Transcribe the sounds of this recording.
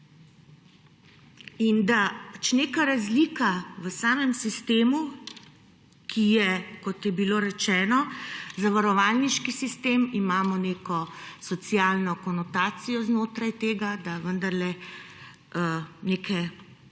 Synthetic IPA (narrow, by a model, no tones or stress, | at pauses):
ind̪at͡ʃneːkaɾazliːkaʋəsaːmɛmsist̪eːmu | kʰijɛkɔt̪jɛbiloːɾɛt͡ʃɛːnɔzaʋaɾɔʋalniʃkisist̪eːmimaːmɔneːkɔsɔt̪sijaːlnɔkɔnɔt̪aːt̪sijɔznoːt̪ɾajt̪eːɡad̪aʋənd̪aɾlɛ | əneːkʰɛ